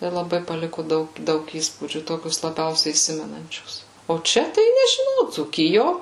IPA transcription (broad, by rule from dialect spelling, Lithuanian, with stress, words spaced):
tɐɪ lˠɐˈbɐɪ pɐˈlʲɪkʊ ˈdɐʊk ˈdɐʊk ˈiːspuːd͡ʒʲuː ˈtoːkʲʊs lˠɐˈbʲɛʊsʲɛɪ iːˈsʲɪmʲɛnɐnʲt͡ʃʲʊs oː ˈt͡ʃʲɛ tɐɪ nʲɛʒʲɪˈnɐʊ d͡zuːˈkʲɪjoː